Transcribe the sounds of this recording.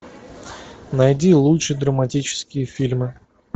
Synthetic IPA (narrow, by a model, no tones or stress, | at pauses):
nɐjdʲilˠutʂɨd̪ɾəmɐtʲit͡ɕɪ̥skʲɪjəfʲilʲmɨ